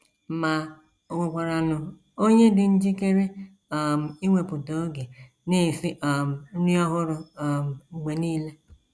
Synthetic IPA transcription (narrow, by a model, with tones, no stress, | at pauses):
ma˨ | o˨ŋʷo˨kʷa˨ɾa˨nʊ˨ | o˦ɲe˦dɪ˨n̩˦d͡ʒi˦ke˦ɾe˦˨ | m̩˨i˦ŋʷe˨pʊ˨to˨o˦ɡe˨ | ne˦˨sɪ˦˨m̩˨˦ni˦ɔ˦ɦʊ˦ɾʊ˨m̩˨ɡ͡be˨niː˦le˦